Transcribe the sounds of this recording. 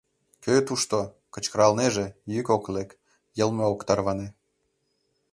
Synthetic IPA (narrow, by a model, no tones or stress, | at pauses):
køt̪uʃt̪o | kə̆t͡ɕkəɾɑlneʒejykoklek | jəlˠmeokt̪ɑrβɑne